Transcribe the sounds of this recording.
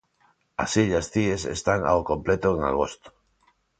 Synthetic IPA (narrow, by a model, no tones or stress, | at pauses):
a̰siʎasθiesḛst̪aŋa̰okomplet̪oeŋa̰ɣ̞ost̪o̥